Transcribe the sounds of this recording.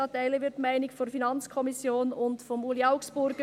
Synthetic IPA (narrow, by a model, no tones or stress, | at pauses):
ɑdɛləʋɪɾtmaɪnɪkfɔnfinɑnt͡skʰɔmɪsjoːnʊntfɔmuːliaʊksb̥ʊɾɡ